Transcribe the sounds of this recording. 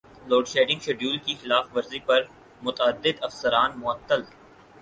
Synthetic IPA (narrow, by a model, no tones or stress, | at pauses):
loːɖʃeːɖɪ̃ŋɡʃeːɖjuːlkixɪlaːfʋɐɾzipɐɾ | mʊt̪əəd̪ːɪd̪ɐfsəɾaːnmʊɐt̪ːəl